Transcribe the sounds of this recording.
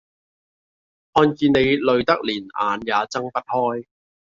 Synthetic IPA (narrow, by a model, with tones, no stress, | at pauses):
hɔː˧nkiː˧ne˨˧jlɵ˨˧ɥt̪ɐ˥k̚liː˨˩na̰ː˨˧njaː˨˧t͡sɐ˥ŋpɐ˥t̚hɔː˥j